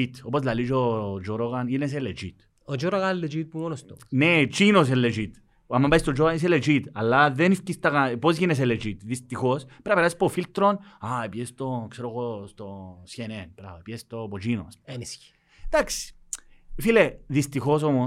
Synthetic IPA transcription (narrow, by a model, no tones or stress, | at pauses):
it̪opozlalid͡ʒod͡ʒoɾoɣanines̬elet͡ʃḭt̪ | od͡ʒoɾoɣanelːed͡ʒit̪̚pumonost̪onet͡ʃinos̬elːed͡ʒit̪ | amːambaist̪od͡ʒoɣanis̬eled͡ʒit̪alːaðenifcist̪akapozʝines̬elet͡ʃit̪ðist̪ixospeɾapeɾaspofilt̪ɾonaepjest̪okseɾoɣost̪osçenenbɾa̰oepjest̪opot͡ʃino̰senis | t̪aks | fileðist̪ixos̬omo